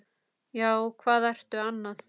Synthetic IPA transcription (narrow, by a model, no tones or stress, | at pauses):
jaːwɔɣkʰvaːðɛjr̥t̪ʏanːað